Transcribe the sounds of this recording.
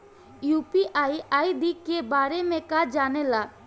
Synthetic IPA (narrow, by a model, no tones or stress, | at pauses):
jupiʔajajd̪ikːebaɾɛmɛkad͡ʒanɛla